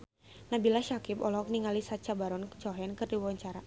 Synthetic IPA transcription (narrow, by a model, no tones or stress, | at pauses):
nabilaʃakipɔ̰lɔk̚niŋalisat͡ʃabaɾɔnt͡ʃɔɦɛnkɨrdiwawaɲt͡ʃaɾa